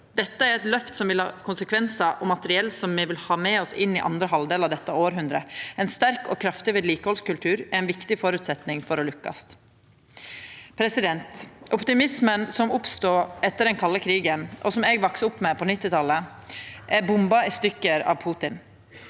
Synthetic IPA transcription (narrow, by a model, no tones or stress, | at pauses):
d̪ɛt̪ːəæɾɛt̪lœft̪sɔmʋɪlhɑ̰ːkʰʊnsəkʰʋɛnsəʔɔmɑt̪əɾɪɛlsɔmːɛʋɪlhɑːmɛɔsɪnːɪʔɑ̰nd̪ɾəɦɑld̪eːlɑʋd̪ɛt̪ːɑoːɾɦʉnd̪ɾəɛnst̪æɾkɔ̰ːkʰɾɑft̪ɪʋeːd̪liːkəhɔlskʉlt̪ʰʉːɾæɾɛnʋɪkt̪ɪfɔɾʉːt̪sɛt̪nɪŋfɔɾɔlʉkːɑ̰st̪ | pʰɾɛsɪd̪ɛnt̪ʔɔpt̪ɪmɪsmənsɔmʊpst̪uːɛt̪ːəɖɛnkʰɑlːəkʰɾiːɡənʔɔsɔmɛɡʋɑksəʊpːmɛpʰɔnɪt̪ːɪt̪ʰɑlːə | ʔɛbʊmbɑɪst̪ʏkːəɾɑ̰ːʋpʰuːt̪ɪn